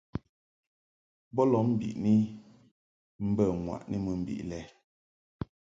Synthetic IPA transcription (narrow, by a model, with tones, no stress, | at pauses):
bɔ˦lɔ˨˦m̩˨bḭ˨ʔni˦ | m̩˦bə˦˨ŋwa̰˨ʔni˦mɨ˨m̩˨bḭ˨ʔlɛ˦